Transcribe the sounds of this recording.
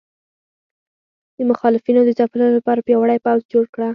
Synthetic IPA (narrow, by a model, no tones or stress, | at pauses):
d̪̥əmʊxɑlɪfinod̪əzɑpəlanolapɑɾapjawaɽajpawzd͡ʒoɽkɽa